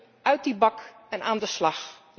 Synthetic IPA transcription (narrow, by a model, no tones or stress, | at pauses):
œɥt̚dibɑk | ɛnaːndəslɑx | l